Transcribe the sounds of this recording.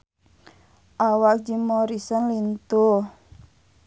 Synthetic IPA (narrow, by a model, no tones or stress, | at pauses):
ʔawak̚d͡ʒimɔɾisənlint̪u